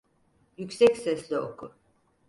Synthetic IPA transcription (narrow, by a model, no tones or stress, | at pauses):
jycsɛcsɛslʲɛo̰kʰu